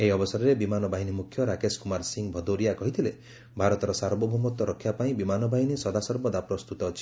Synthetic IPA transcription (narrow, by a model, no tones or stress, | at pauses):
ejɔbɔsɔɾɔɾebimanɔbaɦinimukʰːjɔɾakeskumaɾsiŋbʱɔd̪oɾijakɔɦit̪ʰile | bʱaɾɔt̪ɔɾɔsaɾbɔbʱumɔt̪ɔɾɔkʰːjapaĩbimanɔbaɦinisɔd̪asɔɾbɔd̪apɾɔst̪ut̪ɔt͡ʃʰi̥